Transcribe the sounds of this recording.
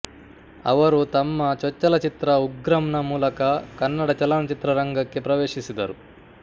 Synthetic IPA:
ɐ̰ʋɐɾut̪ɐmːɐt͡ʃɔt͡ʃːɐlɐt͡ʃit̪ɾɐuɡɾɐmɳɐmuːlɐkɐkɐnːɐɽɐt͡ʃɐlɐnɐt͡ʃit̪ɾɐɾɐŋɡɐkːipɾɐʋeːʂisid̪ɐːɾu

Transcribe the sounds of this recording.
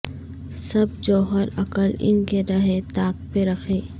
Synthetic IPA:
sɐb̚d͡ʒɔːɦəɾɐkəlɪ̰nkeɾɐɦet̪aːk̚peɾɐxʰeː

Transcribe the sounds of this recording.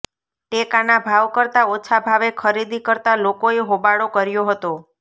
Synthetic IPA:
ʈekanabʱaʋkəɾt̪aot͡ʃʰabʱaʋekʰəɾid̪ikəɾt̪alokoeɦobaɽokəɾjoɦət̪o

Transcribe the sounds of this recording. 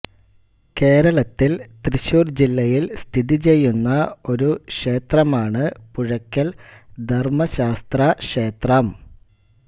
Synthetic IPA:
ke̞ːɾɐɭɐt̪ːilt̪riɕuːrd͡ʑilːɐjilst̪ʰiðit͡ɕe̞jːunːɐo̞ɾukʂe̞ːt̪rɐmaːɳɨpuɻɐkʲːɐld̪ʱɐrmɐɕaːst̪rɐʂeːt̪rɐm

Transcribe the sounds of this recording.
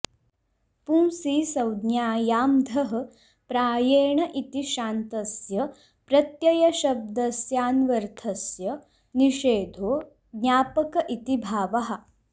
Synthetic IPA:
puːmsiːsɐwd̪njaːjaːmd̪ʱɐɦɐ̆ | pɾaːjeːɳɐʔit̪iʃaːnt̪ɐsjɐ | pɾɐt̪jɐjɐʃɐb̚d̪ɐsjaːnʋɐɾt̪ʰɐsjɐ | niʃeːd̪ʱoː | ɡɲaːpɐkɐʔit̪ibʱaːʋɐɦɐ̆

